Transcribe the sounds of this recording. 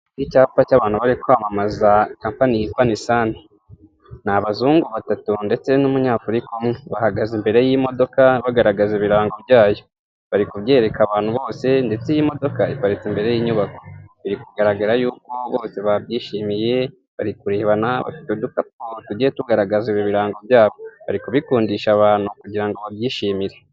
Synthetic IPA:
icaːfacaβaːn̥uβaɾikuhamamazakaːmpanijikwanisaːne | naβazuːŋɡuβatatunde̞t͡se̞numuɲaːfuɾikomŋeβahaɡazimbe̞ɾe̞jimo̞do̞kaβaɡaɾaɡazeβiɾaːŋɡobjaːjo̞ | βaɾikuβje̞ːɾe̞kaβaːn̥huβo̞ːse̞nde̞t͡sejimo̞do̞kaipaɾit͡simbe̞ɾe̞jiːɲuβako̞̥βiɾikuɡaɾaɡaɾajuːko̞βo̞ːse̞βabjiːʃiːmije̞ | βa̰ɾikuɾeːβanaβa̰fi̥teodukap̚otuɟijetuɡaɾaɡaziβjoβiɾaːŋɡo̞bjaːβo̞βa̰ɾikuβikuːndiʃaβaːn̥hukuɟiɾaŋɡo̞βabjiːʃiːmiɾe̞

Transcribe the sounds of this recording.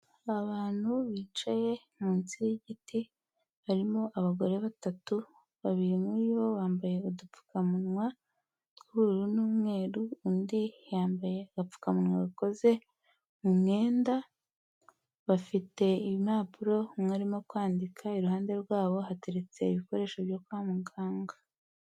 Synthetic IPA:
aβaːn̥huβiːt͡ʃaje̞ | muːnt͡siɾiɟiti | βaɾimo̞ʔaβaɡo̞ɾe̞βatatu | βaβiɾimujo̞βaːmbaje̞udup͡fu̥kamunŋwa | kuuɾunuːmŋe̞ːɾuundijaːmbaje̞ɡap͡fu̥kamunwaβuko̞ze̞ | mumŋe̞ːnda | βafite̞iβimaːpuɾo̞mŋaɾimo̞kwaːndikʰaiɾuhaːnde̞ɾɡwaːβo̞ɦate̞ɾe̞t͡se̞iβiko̞ɾe̞ːʃoβjo̞kwaːmuɡaːŋɡa

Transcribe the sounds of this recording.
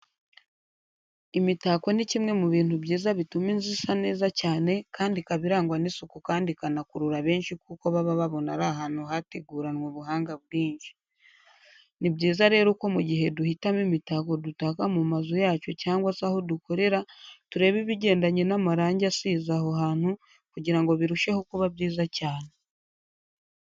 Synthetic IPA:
imitaːko̞nicimŋe̞muβiːntubɟiːzaβituminzisane̞ːzacaːne̞kaːndikaβiɾaːŋɡwanisukukaːndikanakuɾuɾaβe̞ːnʃikuːkoβaβaβaβo̞naɾaɦanohate̞ɡuːɾanwoβuɦaːŋɡaβ̚ɡiːɲʃi̥ | nibɟiːzaɾe̞ːɾoko̞muɟiɦe̞duhitamimitako̞dutakamumazojaːco̞caːŋɡwasaho̞duko̞ɾe̞ɾatuɾe̞ːβiβiɟe̞ːndaɲenamaɾaːɲɟasiːzaho̞ɦaːn̥hu | kuɟiɾaŋɡoβiɾuʃe̞ho̞kuβabɟiːzacaːne̞

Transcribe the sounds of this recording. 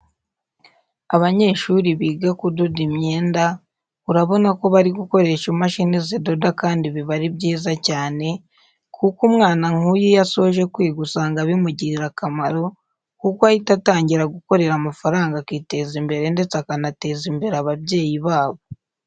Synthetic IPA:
aβaɲe̞ːʃuɾiβiːɡakudodimɲe̞ːnda | uɾaβo̞nako̞βaɾiɡuko̞ɾe̞ʃumaʃinizedo̞dakaːndiβiβaɾibɟiːzacaːne̞ | kʰukumŋaːnaŋ̥ujijaso̞oʒe̞kwiːɡusaːŋɡaβimuɟiɾiɾakamaɾo̞ | kukwahitataːɲɟiɾaɡuko̞ɾe̞ɾamafaɾaːŋɡakiːte̞zimbe̞ɾe̞nde̞t͡sakanate̞ːzimbeɾaβabɟe̞ːjiβaːβo̞

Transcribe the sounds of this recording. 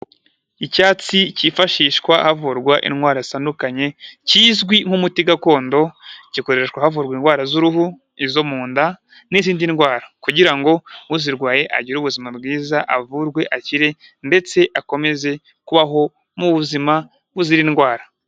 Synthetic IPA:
icaːt͡sicifaʃiːʃkwahavuːɾɡwaʔḭnwaːɾazisandukaɲe̞ciːzɡwiŋ̥humutiɡako̞ːndo̞ciko̞ɾeʃkwahavuːɾɡwinɡwaːɾazuɾuɦu | izo̞muːnda | niziːndinɡwaːɾakuɟiɾaŋɡo̞uziɾɡwaːje̞ʔa̰ɟiɾuβuzimabɡiːzaʔavuɾɡwe̞ʔaciɾe̞ | nde̞t͡se̞ʔako̞me̞ze̞ | kuβaɦo̞ | muβuzima | βuziɾinɡwaːɾa

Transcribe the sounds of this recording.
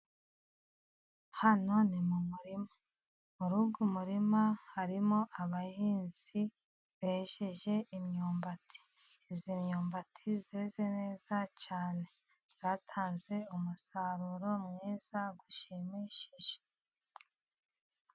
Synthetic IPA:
hano̞nimumuɾima | muɾuɡumuɾimahaɾimo̞ʔaβahiːnz̥i | βeʃeʒe̞ʔimɲuːmbatʰi̥ | zimɲuːmbatʰizeːze̞ne̞ːz̥at͡ʃaːne̞ | ɾatʰaːnze̞umusaɾuɾo̞mŋiːzaɡuʃimiʃiʒe̥

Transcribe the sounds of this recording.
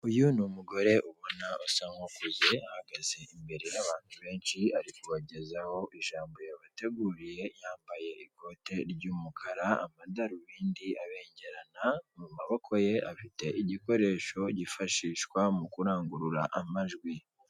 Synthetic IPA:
ujunumuɡo̞ɾe̞ʔuβo̞nausaŋhokuzeahaɡaze̞imbe̞ɾijaβaːntʰuβe̞ːnʃiaɾikuβaɟe̞zaho̞ʔiʒaːmbo̞jaβate̞ɡuːɾije̞jaːmbaje̞iko̞ːte̞ɾɟuːmukʰaɾaa̰madaɾuβiːndiʔaβe̞ːɲɟe̞ɾanamumaβokʰo̞je̞ʔafite̞ʔiɟiko̞ɾe̞ːʃo̞ɟifaʃiːʃkwamukuɾaːŋɡuɾuɾaʔamaʒɡwi

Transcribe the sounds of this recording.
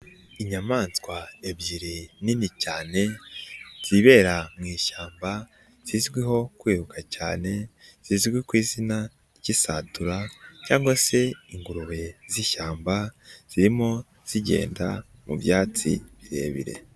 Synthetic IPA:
iɲamaːnskwaebɟiɾininicaːne̞ | z̥iβe̞ːɾamŋiːʃaːmba | z̥izɡwiɦo̞kwiːhukʰacaːne̞z̥iːzɡwikwiːzina | ɟisaːtuɾacaːŋɡwase̞iŋɡuɾuβe̞ziʃaːmbaz̥iɾimo̞ | z̥iɟe̞̰ːnda̰mṵβjaːt͡sḭβiɾe̞̰ːβḭɾe̞̰

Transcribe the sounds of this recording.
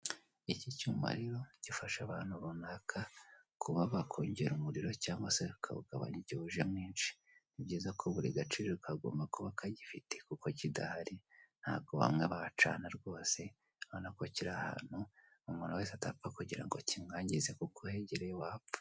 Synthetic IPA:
icicuːma̰ɾiɾo̞ɟ̥ifaʃaβaːn̥huɾunakʰa | kuβaβakʰoːɲɟeɾumuɾiɾo̞caːŋɡwaseukʰa̰βuɡa̰βa̰ɲiɟiβuʒe̞mŋiːnʃi̥ | nibɟiːzakʰoβuɾiɡat͡ʃiɾeukaɡo̰ːmbakoβakʰaɟifite̞kuko̞cida̰haɾin̥ha̰ːɡo̞βa̰mŋe̞βat͡ʃa̰ːnaɾɡo̞ːse̞ | aβanakociɾaha̰ːn̥hu | umunawe̞ːs̬atapakuɟiɾa̰ŋɡocimŋaːɲɟizekukʰohe̞ɟeɾejowaːpḁ

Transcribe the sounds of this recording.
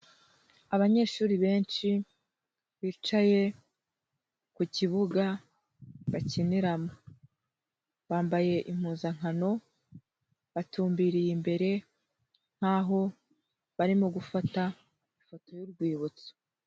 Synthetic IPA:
aβaɲe̞ːʃuːɾiβe̞ːnt͡ʃi | βiːt͡ʃaje̞ | kuciβuɡa | βaciniɾamo | βaːmbaje̞ʔim̥uːnzaŋ̥ano̞ | βatuːmbiːɾijimbe̞ɾe̞ | ŋ̥haːɦo̞ | βaɾimoɡufata | ifo̞to̞juɾɡwiːβut͡so̥

